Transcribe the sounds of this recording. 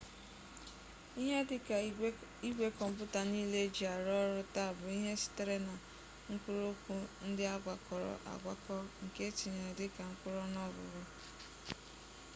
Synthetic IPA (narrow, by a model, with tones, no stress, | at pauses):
i˦ɦe˦˨ | i˦ɡʷe˦kɔ˨m̩˦b̬ʊ˦ta˨niː˦le˦d͡ʒi˨a˨ɾɔ˦ɾʊ˦ta˦˨bʊ˨i˦ɦe˦sɪ̥˦te˦ɾe˦na˨ | ŋ̩˦kʷʊ˦ɾo˦kʷu˦n̩˦dɪ˦a˦ɡʷa˨kɔ˨ɾɔ̰˨ʔa̰˨ɡʷa˦kɔ˦ŋ̩˨ke˦t͡ʃi˨ɲe˨dɪ˦ka˨ŋ̩˦kʷʊ˦ɾɔ˦nɔ˦ɡʊ̰˨ɾʊ˦